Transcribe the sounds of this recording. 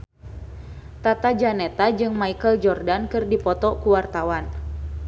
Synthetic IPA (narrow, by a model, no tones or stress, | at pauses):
t̪at̪ad͡ʒanɛt̪ad͡ʒɨŋmaikəld͡ʒɔrdankɨrdipɔt̪ɔkuwart̪awan